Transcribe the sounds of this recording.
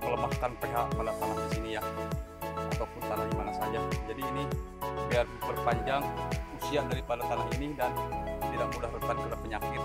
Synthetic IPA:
mələmahkanpeɦaʔmanat̪anahdisinija | at̪akut̪anahimanasad͡ʒad͡ʒadiːni | biarbərpaɲd͡ʒaŋusiaʔdaɾipalat̪anaɦinidant̪idaʔmudahbət̪adsudahpəɲakɪt̪̚

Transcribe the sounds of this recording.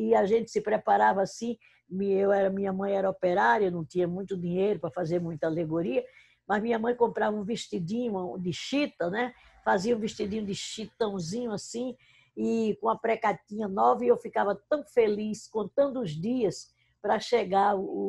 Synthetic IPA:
ɪaʒẽnt̪ɪ̥sɪpɾepaɾavɐasĩ | mĩewɛɾɐmĩɲɐmɐ̃j̃ɛɾɐɔpeɾaɾjɐnɐ̃w̃t̪ĩɲɐmũj̃t̪ʊd̪ĩɲejɾʊpɾɐfazeɾmũj̃t̪ɐaleɡoɾiɐ | mɐzmĩɲɐmɐ̃j̃kõmpɾavɐũviʃt̪id̪ĩɲʊ̃d̪ɪʃit̪ɐnɛ | faziɐũveʃt̪id̪ĩɲʊ̃d̪ɪʃit̪ɐ̃w̃zĩɲʊasĩ | ɪkõɐpɾɛkat̪ĩɲɐnɔvɐewfikavɐt̪ɐ̃w̃feliskõnt̪ɐ̃nd̪ʊʊzd̪iɐs | pɾɐʃeɡaɾʊ

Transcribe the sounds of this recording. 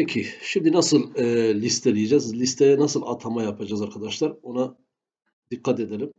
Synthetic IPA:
ecʰiʃimd̪inasɯlˠlʲist̪ʰɛlʲijed͡ʒazlʲist̪ʰejɛnasɯlˠa̰t̪ʰamajapʰad͡ʒazaɾkʰad̪aʃlˠaɾona | d̪̥ikʰːat̪ed̪elʲim

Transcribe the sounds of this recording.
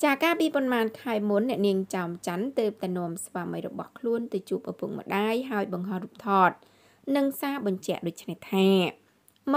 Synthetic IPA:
t͡ɕaːkaːpiːpɑnmaːnkʰaɛmunːɛ̆əʔniəŋt͡ɕaɔmt͡ɕant̪əːp̚t̪aɛnŏəmsʋaːməjrɔɓɑhkʰluənt̪ɨt͡ɕuːp̚ʔapuŋ̚mə̰̆ɗaːjɦaəjɓɑŋɦɑhruːp̚t̪ʰɑːt̪̚ | nɨŋsaːɓɑɲt͡ɕɛ̆əʔɗoːc̚t͡ɕʰneht̪ʰaː | m

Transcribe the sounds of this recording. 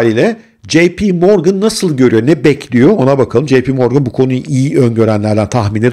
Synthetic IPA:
ɾiːlʲɛ | d͡ʒejpʰimoɾɡɯnːasɯlˠɟø̞ɾyjo̞nɛbɛcʰlʲijo̞onabakʰalˠɯmd͡ʒejpʰimo̞ɾɡɯnbukʰo̞nujʔijiønɟø̞ɾænlʲæɾd̪ænt̪ʰaxminʲi

